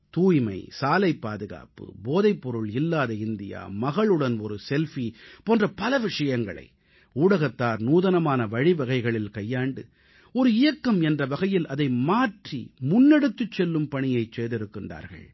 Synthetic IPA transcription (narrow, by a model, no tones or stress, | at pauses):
t̪uːjmɐ̰ɪsaːlɐɪpːaːðɯɣa̰ːpɯ̰boːðɐɪpːɔɾɯɭɪlːaːðɐɪnd̪ɪja̰ːmɐɣɐɭɯɽɐnɔɾɯsɛlfipoːndrɐpɐlɐʋɪʂɐjɐŋɡɐ̰ɭɐ̰ɪ | uːɽɐɣɐt̪ːaːɾnuːðɐnɐmaːnɐʋɐɻɪʋɐɣɐɪɣɐɭɪlkɐjːaːɳɖɯ̰ | ɔɾɯɪjɐkːɐmɛndrɐʋɐɣɐjɪlʔɐðɐɪmaːʈrḭmʊnːɛɽɯt̪ːɯt͡ʃːɛlːɯmpɐɳɪjɐɪt͡ʃːeːðɪɾɯkːɪnra̰ːɾɣɐ̰ɭ